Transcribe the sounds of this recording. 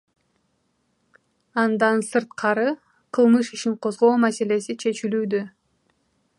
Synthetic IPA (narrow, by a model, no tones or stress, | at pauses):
ɑnd̪ɑnsɯɾt̪qʰɑɾɯ | qʰɯlˠmɯʃiʃiɴqʰo̞zʁo̞ːmase̞le̞sit͡ʃʰe̞t͡ʃilyːd̪ø